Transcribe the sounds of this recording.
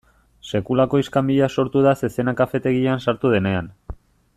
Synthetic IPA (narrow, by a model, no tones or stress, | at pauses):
se̞kulako̞iskamiʎaso̞ɾt̪uðase̞se̞nakafe̞t̪e̞ɣiansaɾt̪uð̞e̞ne̞an